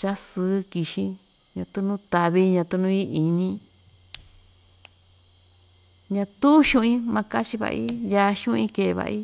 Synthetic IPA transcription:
t͡ʃa˦sɨ˨˦ki˧ʃi˧ | ɲã˧t̪u˧nũ˦t̪a˧βi˦ɲã˧t̪u˧nũ˦˧˦i˦i˧ɲĩ˧˦ | ɲã˧t̪u˦ʃũ˦ĩ˦mã˧ka˦t͡ʃi˧βa̰˧ʔḭ˦ja˧ʃũ˦ĩ˧ke˧˨˧βa̰˧ʔi˦

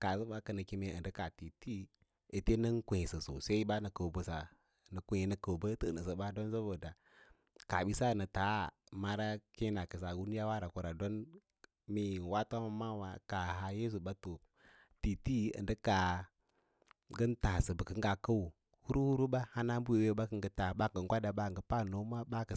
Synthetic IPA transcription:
ka˨sə˦ba˦kə˨nə˨ki˦me˦ə̰˨ndə˦ka˨ti˨ti˦ | e˨te˦nə˦n˦kʷu˨i˨sə˨so̰˨se˦i˦ba˦nə˨kə˨bə˨sa˨ | nə˨kʷu˨ji˨nə˨kə˨bə˦tə˦˨nə˨sə˨ba˦do˦nsə˦bə˨da˨ | ka˨ɓi˦sa˦˨nə˨ta˨˦ | ma˦ɾa˦ki˦na˨kə˨s̬a˨ɡu˦n˦ja˦wa˦ɾa˨ku˨ɾa˨do˦n | mi˦˨wa˦ta˦ma˦ma˦wa˨ka˨ɦa˨je˦s̬u˨ba˦to˨ | ti˨ti˦ə̰˨ndə˦ka˨ | ɡə˦nta˨sə˨bə˨kə˦ŋɡa˨kə˦u˨ | hu˦ɾu˦hu˦ɾu˦ba˦ha˦na˦m˦bu˦we˨we˦ba˦kə˦ŋɡə˨ta˨ba˦ŋ˨ɡə˨ŋ˦ɡʷa˦da˨ba˦˨ɡə˨˦pa˦˨no˨˦ma˦ba˦kə˨

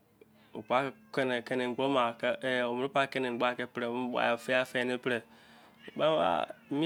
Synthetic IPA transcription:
o̰˨pa˦kɛ˦nɛ̃˨kɛ˧nĩ˨ŋ˨ɡ͡bo˦mã˨kə˦ɛ˨o˨mɨ˦ɾɨ˦pa˦kɛ˦nĩ˨ŋ̩˨ɡ͡ba˦˨kɛ˦pɨ˦ɾe˨m˦wa̰˨fe˦a˦fɛ˦˨nɨ̃˦pɨ˦ɾə˨ | o˨ɓa˦wa̰˦mĩ˦

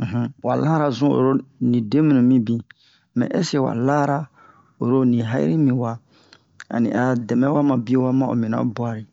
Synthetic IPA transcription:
ɦ̩˦wa̰˨la˦ɾa˨zũ˦o̰˨ɾo˦nĩ˨de˦mĩ˦nũ˨mĩ˦bĩ˨ | mɛ̰̃˨ʔɛ˦se˦wa̰˨la˦ɾa˦ | o˨ɾo˦nĩ˨ɦa˦ḭ˦ɾi˦mĩ˨wa˨ | a̰˨nḭ̃˨ʔa˨dɛ˨mɛ̃˦wa˦mã˨bi˦o˦wa˦mã˦o̰˨mĩ˨nã̰˦bwa˨ɾi˨

